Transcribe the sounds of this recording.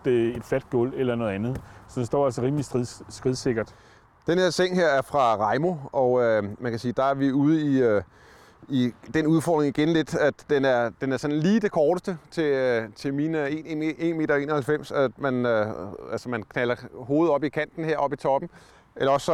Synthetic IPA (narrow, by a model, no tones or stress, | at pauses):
d̥ee̝d̥fæd̥̚ɡ̥ɔl̰elɐnɔ̽ːð̞̩ˠænð̞̩ˠsɒ̽d̥ensd̥ɒ̰ːælsəʁiːmlisisɡ̥ʁiðˠse̝ɡ̥ɐd̥ | d̥enhe̝ɐ̰seŋ̰ɦe̝ɐ̰æɐfʁɑ̈ʁɑ̈ɪmo̝ɒ̽ømænkʰæsiːd̥ɑ̈æɐʋiuːð̞̩ˠəiø | id̥enuð̞ˠfɒ̰ːd̥ʁe̝ŋiɡ̥enle̝d̥æ̥d̥enæɐd̥enæɐsɒ̽n̩liːd̥e̝kʰɒːɾ̥əsd̥ət͡sʰe̝t͡sʰe̝mine̝ːnee̝̰ːnme̝̰ːdɐe̝̰ːnɐhælfem̰sæmænøælsɐmænkʰnælɐɦo̝ːð̞̩ˠɒ̽b̥ikʰæn̰d̥n̩he̝ɐ̰ɒ̽b̥it͡sʰɒ̽b̥m̩ | elɐɒ̽sːɒ̽